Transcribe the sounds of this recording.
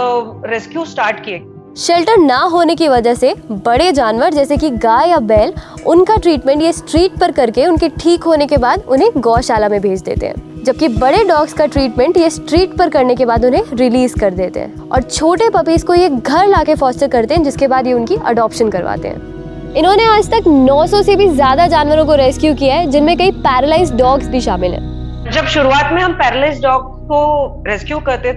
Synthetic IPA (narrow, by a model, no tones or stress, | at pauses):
ɾeskjusʈaːɾʈkie | ʃɛlʈəɾnaɦoːnekiʋɐd͡ʒəɦsebɐɽed͡ʒaːnʋəɾd͡ʒɛːsekiɡaːjabɛːlʊnkaʈɾiːʈmɛ̃ɳʈjesʈɾiːʈ̚pɐɾkɐɾkeʊnkeʈʰiːkɦoːnekebaːd̪ʊnɦẽɡɔːʃaːlamẽbʱeːd͡ʒd̪ḛːt̪ḛɦɛ̰̃ːd͡ʒɐb̚kibɐɽeɖɔːɡskaʈɾiːʈmɛ̃ɳʈjesʈɾiːʈpɐɾkɐɾnekebaːd̪ʊnɦẽɾɪliːzkɐɾd̪eːt̪ḛɦɛ̰̃ːɔ̰ːɾt͡ʃʰoːʈepɐpiːskojeɡʱɐɾlaːkefɔːsʈəɾkɐɾt̪eɦɛ̃d͡ʒɪskebaːd̪jeʊnkiʔɐ̰ɖɔːpʃənkɐɾʋa̰ːt̪ḛɦɛ̰̃ː | ɪnɦõneaːd͡ʒt̪ɐknɔːsɔsebʱizjaːd̪ad͡ʒaːnʋəɾõkoɾɛːskjukijaɦɛd͡ʒɪnmẽkɐipɛːɾəlaːɪs̬ʈɖɔːɡsbʱiʃaːmɪlɦɛ̰̃ː | d͡ʒɐbʃʊɾuaːt̪mẽɦɐmpɛːɾəlaɪsʈɖɔːɡsko | ɾɛskjukɐɾt̪e